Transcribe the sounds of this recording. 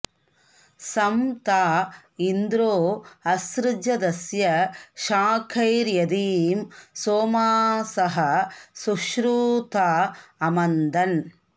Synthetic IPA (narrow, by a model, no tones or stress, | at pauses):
sɐmt̪aː | ind̪ɾoːɐsɾɪd͡ʒɐd̪ɐsjɐʃaːkʰɐjɾjɐd̪iːmsoːmaːsɐɦɐsuʃɾuːt̪aːɐmɐnd̪ɐn